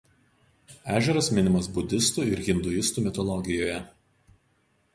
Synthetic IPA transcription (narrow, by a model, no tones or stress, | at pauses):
æːʒʲɛɾɐsmʲɪnʲɪmɐsbʊd̪ʲɪst̪uːɪɾɣʲɪnd̪ʊɪst̪uːmʲɪt̪ɔlˠɔɡʲɪjoːjɛ